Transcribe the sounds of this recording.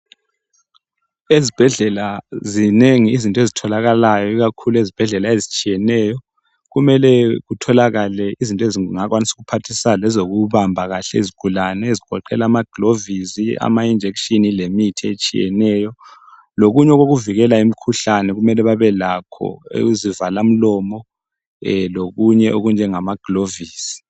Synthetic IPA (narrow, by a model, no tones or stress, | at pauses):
ezib̥ʱɛɮɛlazineŋiːzintʼezitʰɔlaɣalajɔiɣakʰuluezib̥ʱɛɮɛlaezit͡ʃʼijɛnɛjɔ | ɣumɛlɛɣutʰɔlaɣalɛizintʼɔeziŋakwanisu̥ɣupʰatʰisalɛzoɣuβambʱaɣaɬɛeziɡ̥ʱulanɛeziɡ̥ʱɔ̰ǃɛ̰laːmaɡ̥ʱlovizia̰maind͡ʒʱekʃinilemitʰiet͡ʃʼḭjɛ̰nɛːjɔ | loɣuɲɛɣoɣuviɣɛlaimikʰuɬanɛɣumɛlɛβaβɛlakʰɔ̰ḛuzivalam̩lɔːmɔ | loɣuɲɛʔoɣund͡ʒʱɛŋamaɡ̥ʱloviːsi̥